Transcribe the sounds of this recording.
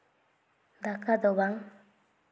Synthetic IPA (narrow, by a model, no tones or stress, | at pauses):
d̪akad̪obaŋ